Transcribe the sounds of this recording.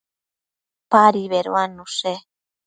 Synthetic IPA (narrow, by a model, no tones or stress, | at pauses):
paɾiβeɾoanːuse